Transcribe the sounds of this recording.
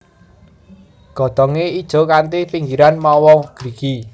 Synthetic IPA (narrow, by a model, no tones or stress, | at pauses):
ɡ̥ɔ̤d̪̥ɔŋeid̥ʒ̥ɔ̤kant̪ipiŋɡiɾanmɔwɔɡ̥ɾiki